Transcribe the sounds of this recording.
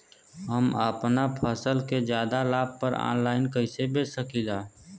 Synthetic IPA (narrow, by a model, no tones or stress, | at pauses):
ɦəməpnapʰəsəlked͡ʒjaːd̪alaːb̚pəɾa̰ːnlaːɪnkəɪsebeːsəkilaː